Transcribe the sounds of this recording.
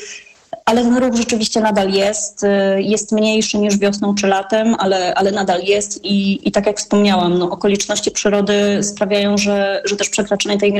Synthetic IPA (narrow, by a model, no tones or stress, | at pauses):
ʔalɛt̪ɛnɾuɣʐɛt͡ʂɘvʲiɕt͡ɕɛnad̪aljɛst̪jɛst̪mɲejʂɘɲiʐvʲjɔsnɔ̃w̃t͡ʂɘlat̪ɛmʔalɛʔalɛnad̪aljɛst̪iːt̪akjakfspɔmɲawamnɔʔɔkɔlʲit͡ʂnɔɕt͡ɕipʂɘɾɔd̪ɘspɾavʲjajɔ̃w̃ʐɛʐɛt̪ɛʂpʂɛkɾat͡ʂaɲɛt̪ɛjmʲ